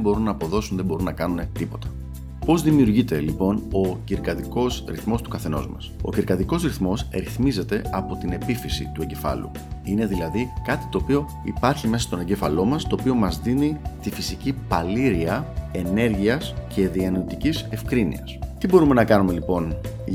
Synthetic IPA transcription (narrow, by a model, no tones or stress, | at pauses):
bo̞ɾunːɐːpo̞ðo̞sunðebo̞ɾunɐkɐnune̞t̪ipo̞t̪ɐ̥ | po̞zðimiuɾʝit̪e̞lipo̞no̞ciɾkɐðiko̞sɾḭθmo̞st̪u̥kɐθeno̞̰zmɐ̰so̞̰ciɾkɐðiko̞sɾiθmo̞sɾiθmize̞t̪e̞ɐpo̞t̪ine̞pifisḭt̪ue̞ɲɟe̞fɐ̰lṵ | ine̞ðilɐðikɐt̪i̥t̪o̞ːpio̞ | ḭpɐɾçime̞sɐst̪o̞ne̞ɲɟefɐlo̞mɐst̪o̞ːpio̞mɐzðinit̪ifisicipɐliɾiɐe̞ne̞ɾʝiɐsce̞ðiɐnot̪icise̞fkɾinḭɐ̰st̪ibo̞ɾume̞nɐkɐnume̞lipo̞n